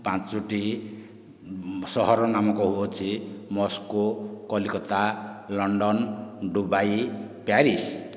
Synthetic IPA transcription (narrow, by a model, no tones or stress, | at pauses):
pãt͡st͡suʈi | sɔɦɔɾɔnamɔkoɦuot͡sʰimɔskokɔlikɔt̪alɔɳɖɔnɖubajpjaɾis